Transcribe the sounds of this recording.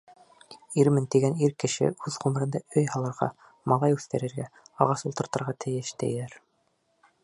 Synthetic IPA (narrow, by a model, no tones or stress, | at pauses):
iɾmɘnt̪iɡæniɾkɘ̆ʃɘ̰ʉðʁumɘ̆ɾɘ̆nd̪ɑɵjhɑlˠɤ̆ɾʁɑ̰ | mɑlˠɑjʉθt̪æɾɘ̆ɾɡæɑʁɑsulˠt̪ɤ̆ɾt̪ɤ̆ɾʁɑt̪ʰɘ̆jɘʃt̪æ̰jlæɾ